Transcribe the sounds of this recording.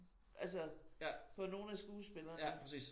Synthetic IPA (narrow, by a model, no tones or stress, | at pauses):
ʔælsəæfɒ̽no̝ːn̩æsɡ̥uːsb̥e̝lɐːpʰʁɛsḭːs